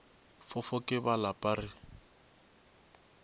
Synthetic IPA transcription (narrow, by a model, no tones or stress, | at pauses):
fʊfʊkʼɪbalapʼarɪ